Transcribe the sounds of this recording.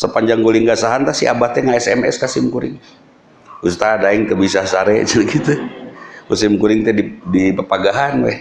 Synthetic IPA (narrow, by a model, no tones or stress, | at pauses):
səpaɲd͡ʒaŋɡolɪŋɡasaɦant̪asia̰baht̪ɛŋaɛsɛmɛ̰skasɪmkuɾɪ̰ŋ | ust̪adaɛŋt̪əbisasaɾɛsənɡit̪ukusɪmkuɾɪŋt̪ɛdidipəpaɡaɦanwɛ̰h